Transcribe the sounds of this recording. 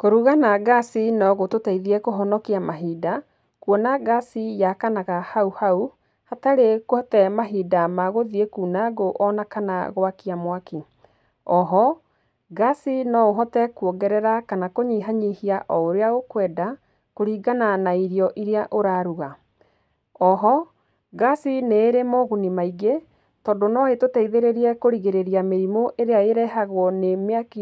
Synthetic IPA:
koɾuɣanaɡasinɔɣototɛiðiɛkoɦɔnɔkiamaɦida | kwɔnaɡasijakanaɣahauhau | hataɾekohɔtɛmaɦiːdamaɣoðiekuːnaɡoʔɔnakana̰ɣwakiamwaki | ɔɦɔ | ɡasinɔoɦɔtɛkuɔɡɛɾɛɾakanakoɲiɦaɲihiaʔɔoɾeaɣokwɛːda | koɾiːɡananaiɾiɔʔiɾeaʔoɾaɾuɣa | ɔɦɔ | ɡasineːɾemoɣunimaiɡe | tɔndonɔetotɛiðeɾeɾiɛkoɾiɣeɾeɾiameɾimoʔeɾeaeɾɛɦaɣwɔnemeaki

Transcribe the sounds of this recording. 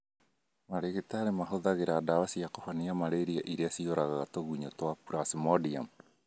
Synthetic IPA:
maɾeɣetaɾemaɦoðaɣeɾadawasiakofaniamaɾeɾiaʔiɾeasioɾaɣaɣatoɣuɲotwapuɾasimɔdiam

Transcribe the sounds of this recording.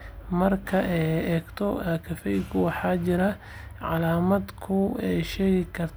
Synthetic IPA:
mɐrkʰɐʔɛɛːɡt̪ʰɔkʰɐfɛjkʰʊwɑħɑːt͡ʃɪɾɐ | ʕɑ̰laːmɐd̪kʰʊɛjʃɛːɣɪkʰɐrt̪ʰ

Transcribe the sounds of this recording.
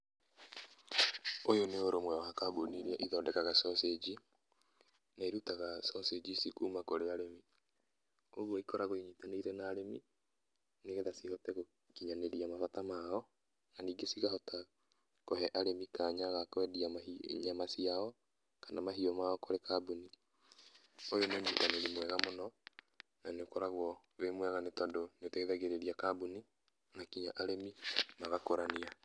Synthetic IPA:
ojoneoɾomwɛwaːkaːboniɾiɛʔiðɔːdɛkaɣasɔsed͡ʒi | naeɾutaɣasɔsed͡ʑisikuːmakoɾeaɾemi | oɣwoikɔɾaɣoiɲitaneiɾɛnaːɾemi | neɣɛðasihɔtɛɣo | kiɲaneɾiamafatamaɔ | naniːɡesiɣahɔta | kɔɦɛʔaɾemikaːɲaɣakɔɛdiamaḭɲamasiaɔ | kanamaɦiɔmaɔkɔɾekabuni | ojonoːɲd͡ʒitaneɾimwɛɣamonɔ | naneokɔɾaɣwɔ | βemwɛɣanetɔdoneotɛɣeðaɣeɾeɾiakabuni | nakiɲaʔaɾemimaɣakoɾanea

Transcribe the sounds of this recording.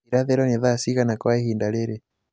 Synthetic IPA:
iɾaðɛɾɔnɛðasiɣanakwaɛhindalɛɾɛ

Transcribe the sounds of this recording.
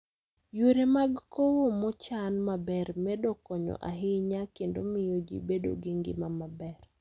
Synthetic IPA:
joɾemaɡkowomɔt͡ʃanmabɛrmɛdɔkɔɲɔ̰ʔa̰ɦɪɲakendomɪjod͡ʒḭbedo̰ɡɪŋɡɪ̰mamabɛr

